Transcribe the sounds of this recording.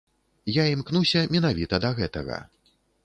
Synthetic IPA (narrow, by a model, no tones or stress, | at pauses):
jaimknusʲɐmʲɛnavʲit̪ɐd̪ɐɣɛt̪ɐ̰ɣɐ̰